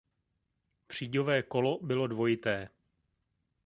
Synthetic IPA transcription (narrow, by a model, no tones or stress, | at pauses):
pr̝̥iːɟovɛːko̞lo̞bɪlo̞dvo̞jɪt̪ɛː